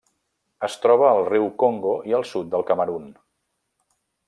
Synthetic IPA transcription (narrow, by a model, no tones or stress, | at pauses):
əst̪ɾɔβ̞əːlˠriwkoŋɡoiəlˠsut̪̚d̪əlˠkəməɾun